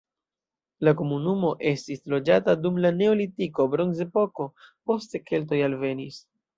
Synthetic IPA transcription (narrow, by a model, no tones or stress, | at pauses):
lako̞munumo̞ʔe̞stislo̞d͡ʒatadumlane̞o̞litiko̞bɾo̞nze̞po̞ko̞po̞ste̞ke̞lt̬o̞jalve̞nis